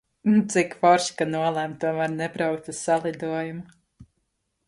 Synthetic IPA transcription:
nt̪sikfɔɾʃkanuɔlˠæmt̪uɔmæːɾnɛbɾawk̚t̪usalˠid̪uɔjumu

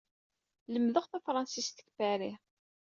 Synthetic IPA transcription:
ləmðəʁθæfɾˤɑnsist̪ə̥kːbæɾi

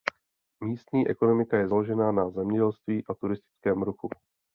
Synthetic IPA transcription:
miːst̪ɲiːʔɛ̰ko̞no̞mɪkajɛzalo̞ʒɛnaːnazɛmɲɛɟɛlst̪viːʔat̪uɾɪst̪ɪ̥t͡skɛːmɾuxu

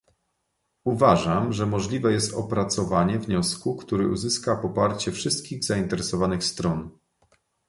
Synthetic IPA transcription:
uvaʐamʐɛmɔʐlʲivɛjɛst̪ɔpɾat̪sɔvaɲɛvɲɔskukt̪uɾɘʔuzɘskapɔpaɾt͡ɕɛfʂɘst̪̚kʲiɣzaint̪ɛɾɛsɔvanɘxst̪ɾɔn

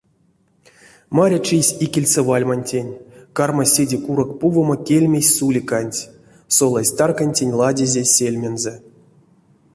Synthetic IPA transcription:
maɾʲat͡ʃisʲikʲilʲsevalʲmanʲtʲenʲkarmasʲedʲikuɾokpuvomakʲelʲmʲesʲsulʲikanʲtʲ | solˠasʲt̪arkanʲtʲenʲlˠadʲezʲesʲelʲmʲenzɛ

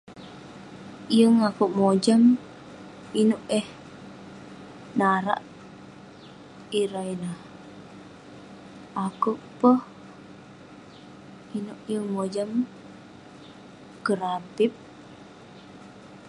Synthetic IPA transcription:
jəŋakuʔmod͡ʒam | inuʔɛh | naɾa̰ʔ | iɾainah | akuʔpəh | inuʔjəŋmod͡ʒam | kəɾapip̚

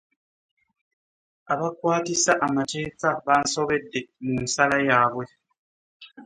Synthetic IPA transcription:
aβakwaːtisaʔamate̞ːkaβaːnso̞βe̞dːe̞munsalajaːβwe̞

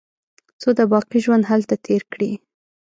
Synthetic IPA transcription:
t͡sod̪əbɑqiʒwand̪ɦalt̪at̪ʰeɾkɽi

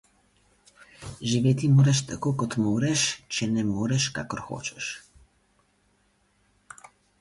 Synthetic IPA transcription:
ʒiʋeːt̪imoːɾɛʃt̪akokɔt̪moːɾɛʃt͡ʃɛnɛmoːɾɛʃka̰ːkɔɾxo̰ːt͡ʃɛʃ

